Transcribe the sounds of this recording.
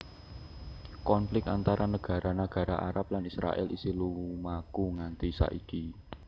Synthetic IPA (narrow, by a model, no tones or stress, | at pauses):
kɔnflɪkant̪aɾʔanəɡ̥a̤ɾanaɡ̥a̤ɾaʔaɾap̚lanisɾa̰ʔɛ̰lʔisiluumakuŋant̪isa̰ʔiki